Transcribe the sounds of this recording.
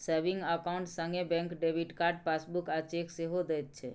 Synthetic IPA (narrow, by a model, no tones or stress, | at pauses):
səɾbĩŋɡəkaʊ̃ɳʈsə̃ŋɡebɛ̃ŋkɖebiʈkaɾɖpasbukat͡ʃekseɦod̪ɛjt̪̚t͡ʃʰḛ